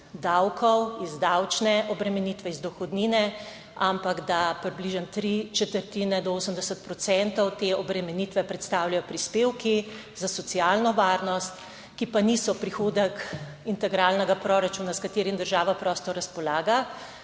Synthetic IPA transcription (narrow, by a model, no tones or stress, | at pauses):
d̪awkʰɔwizd̪awt͡ʃnɛʔɔbɾɛmɛnit̪ʋɛizd̪ɔxɔd̪niːnɛ | ampaɡd̪apɾibliʒənt̪ɾit͡ʃɛt̪əɾt̪inɛd̪ɔoːsəmd̪ɛsət̪̚pɾɔsɛnt̪ɔwt̪eɔbɾɛmɛnit̪ʋɛpɾɛt̪st̪awljajɔpɾispeːwki | zasɔtsialnɔʋaɾnɔst̪ | kipanisɔpɾixoːd̪ək | int̪ɛɡɾalnɛɡapɾɔɾat͡ʃunaskat̪eːɾimd̪əɾʒaːʋapɾɔːst̪ɔɾaspɔlaːɡa